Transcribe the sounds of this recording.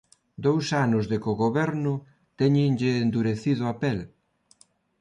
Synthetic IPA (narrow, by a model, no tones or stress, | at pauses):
d̪owsanʊzðɪkʊɣoβɛɾnʊ | t̪ɛɲɪŋʎɪːnd̪uɾeθiðʊapɛl